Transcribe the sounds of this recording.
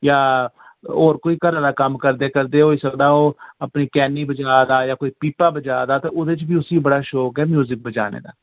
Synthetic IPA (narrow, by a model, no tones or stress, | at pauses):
jaː | oːɾkoːiːkəɾaːd̪aːkəmkəɾd̪eːkəɾd̪eːɦoːiːsəkd̪aːoːəpniːkɛːniːbəd͡ʒaːd̪aːjaːkoːiːpiːpaːbəd͡ʒaːd̪aːt̪eːʊd̪eːt͡ʃbiːʊsiːbəɽaːʃoːkɛːmjuːzɪk̚bəd͡ʒa̰ːnḛːd̪a̰ː